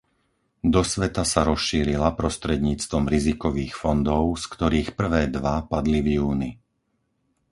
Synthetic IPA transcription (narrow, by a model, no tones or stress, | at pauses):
d̪ɔsʋɛt̪asaɾɔsʃiːɾilapɾɔst̪ɾɛd̪ɲiːt͡st̪ʋɔmɾizikɔʋiːxfɔnd̪ɔʊskt̪ɔɾiːxpr̩ʋɛːd̪ʋapad̪livjuːni